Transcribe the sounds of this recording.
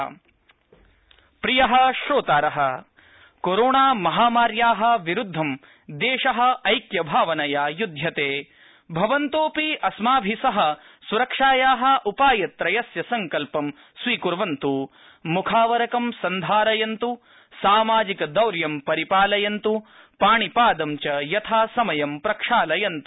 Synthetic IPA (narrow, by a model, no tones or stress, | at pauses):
pɾijɐɦɐ̆ʃɾoːt̪aːɾɐɦɐ | koɾoːɳaːmɐɦaːmaːɾjaːɦɐ̆ʋiɾud̪ʱːɐm | d̪eːʃɐɦɐ̆ɐjkjɐbʱaːʋɐnɐjaːjud̪ʱjɐt̪eː | bʱɐʋɐnt̪oːpiɐsmaːbʱisɐɦɐ̆ | suɾɐkʂaːjaːɦɐ̆ʔupaːjɐt̪ɾɐjɐsjɐsɐŋkɐlpɐm | sʋiːkuɾʋɐnt̪u | mukʰaːʋɐɾɐkɐmsɐnd̪ʱaːɾɐjɐnt̪u | saːmaːd͡ʒikɐd̪ɐwɾjɐmpɐɾipaːlɐjɐnt̪u | paːɳipaːd̪ɐmt͡ʃɐjɐt̪ʰaːsɐmɐjɐmpɾɐkʂaːlɐjɐnt̪u̥